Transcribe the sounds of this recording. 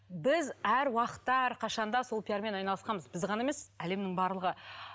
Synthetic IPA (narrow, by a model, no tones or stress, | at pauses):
bɪzæɾwɑqə̥t̪ːɑæɾqʰɑʃɑnd̪ɑso̞lˠpʲjaɾme̞nɑjnɑlˠəsqɑnməzbɪzʁɑnɑemesæle̞mnɪŋbɑɾlˠəʁə